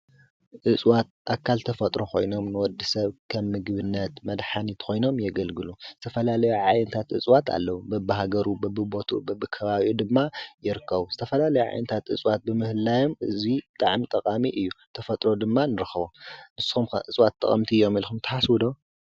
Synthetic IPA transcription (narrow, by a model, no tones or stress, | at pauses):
ʔɨt͡sʼwat̪̚ʔakʰːalt̪ʰɐfɐt̪ʼɾo̞xʰo̞̰jno̞mnɨwɔd̪ːisɐβkʰɐmːɨɡβɨnːɐt̪mɐd̪ħanit̪kʰo̞jno̞mjɛɡɐlɡɨluz̥ɨt̪ʰɐfɐlalɐjuʕajnɨt̪ʰat̪ɨt͡sʼwat̪ʰa̰lːɐwubɐbɨɦaɡɐɾubɐbːɨbo̞t̪ʰubɐbɨkʰɐβaβʔid̪ɨmːajɪɾɨkːɐβuz̥ɨt̪ʰɐfɐlalɐjuʕa̰jnɨt̪ʰat̪ɨ̰t͡sʼwat̪̚bɨmɨhɨlːajomɨzibɨt̪ʼaʕmit̪ʼɐkʼamiʔɨjːut̪ʰɐfɐt̪ʼɾo̞d̪ɨmːanɨɾɨxβonɨsːxum̰ʔɨt͡sʼwat̪ʰʼːɐ̰χʼɐ̰mt̪ʰiɨjːo̞milxumt̪ʰɐ̥ħaswud̪o